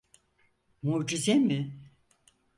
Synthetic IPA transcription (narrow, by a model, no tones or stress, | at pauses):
muːd͡ʒizemɪ